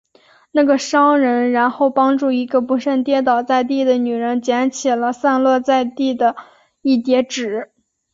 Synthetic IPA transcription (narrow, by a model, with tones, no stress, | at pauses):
na˥˩ɡə˩ʂɑ˥ʊɻə˧˥nɻa˧˥nxo˥˩ʊpɑ˥ŋʈ͡ʂu˥˩i˧˥ɡə˧pu˧˥ʂə˥˩nt̪jɛ˥t̪̬ɑ˨˩ʊt͡sa˥˧ɪt̪̬i˥˩d̪ə˩ny˨˩ɻə˧˥nt͡ɕjɛ˧˥nt͡ɕʰi˨˩lə˦sa˥˧nlwɤ˥˧t͡sa˥˧ɪt̪i˥˩d̪ə˩ | i˥˩t̪jɛ˧˥ʈ͡ʂɻ̩˨˩˦